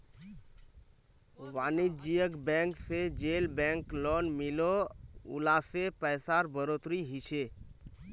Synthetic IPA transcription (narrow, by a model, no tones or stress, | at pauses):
ʋaːnid͡ʒijəkbɛ̃ŋksed͡ʒelbɛ̃ŋklɔːnmɪloṵlasepəjsaɾbəɾot̪ɾiɦit͡ʃʰe